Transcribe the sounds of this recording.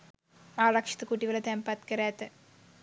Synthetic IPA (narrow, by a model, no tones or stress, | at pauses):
aːrɐkʂɐ̥t̪ɨkuːʈːiʋɐlɐt̪empɐt̪kɐɾaːt̪ːɨ